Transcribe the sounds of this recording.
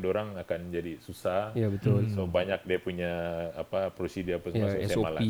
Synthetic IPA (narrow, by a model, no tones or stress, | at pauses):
doɾaŋakand͡ʒadisusahjabət̪ʊlsobaɲak̚diapuɲaːpapɾosidiapasmassaomalai